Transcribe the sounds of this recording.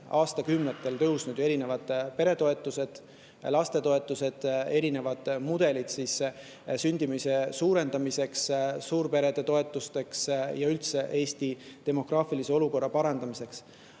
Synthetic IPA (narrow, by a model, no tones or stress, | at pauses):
ɑːst̪ɑkymnet̪ːˑe̞lt̪ɤ̞usnud̪je̞ɾine̞vɑd̪̥pe̞ɾe̞t̪o̞e̞t̪ːˑuse̞d̪̥ | lɑst̪e̞t̪o̞e̞t̪ːˑuse̞d̪̥e̞ɾine̞vɑd̪̥mud̪e̞lit̪sis | synʲd̪̥imise̞suːɾe̞nd̪ɑmise̞kssuːɾpe̞ɾe̞d̪̥e̞t̪o̞e̞t̪ːˑust̪e̞ksjɑylt̪se̞ʔe̞ːst̪it̪e̞mo̞krɑːfilise̞o̞luko̞rːɑpɑɾɑnd̪ɑmise̞ks